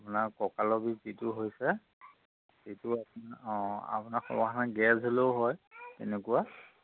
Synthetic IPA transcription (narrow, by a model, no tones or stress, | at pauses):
apʊnaɹkɔkalɔbizitʊɦojsɛ | tetʊa | a̰pʊnaxɔ̰maxʰanaɡɛzoleʊɦɔjtɛ̰nɛkʊwa